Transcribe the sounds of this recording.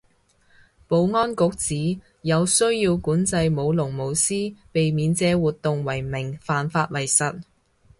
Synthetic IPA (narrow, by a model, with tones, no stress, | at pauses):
po˨˧wŋɔː˥nkʊ˨˥k̚t͡siː˨˥ | jɐ˨˧wsɵ˥ɥjiː˧wkuː˨˥nt͡sɐ˧jmo˨˧wlʊ˨˩ŋmo˨˧wsiː˥pe˨jmiː˨˧nt͡sɛː˨˥wuː˨t̪ʊ˨ŋwɐ˨˩jmɪ˨˩ŋfaː˨nfaː˧t̚wɐ˨˩jsɐ˨t̚